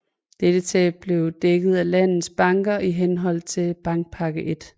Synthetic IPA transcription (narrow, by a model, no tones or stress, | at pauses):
d̥ed̥ət͡sʰɛ̰ːb̥le̝ʊd̥eɡ̥ð̞̩ˠælæn̰ð̩ˠsb̥ɑ̈ŋɡ̥ɐʔiɦenɦɒ̽l̰t͡sʰe̝lb̥ɑ̈ŋɡ̥̚pʰɑ̈ɡ̥əʔe̝d̥